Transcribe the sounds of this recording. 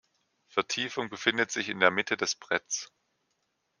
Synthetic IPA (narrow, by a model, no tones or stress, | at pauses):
fɛɐtʰiːfʊŋbəfɪndətz̥ɪçɪndeːɐmɪtʰədɛsb̥ʁ̥ɛtt͡s